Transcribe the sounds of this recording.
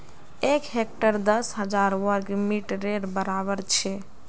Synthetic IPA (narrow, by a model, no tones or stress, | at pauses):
ekɦek̚ʈəɾd̪əsɦəd͡ʒaɾwəɾɡmiʈɾeɾbəɾabəɾt͡ʃʰɛ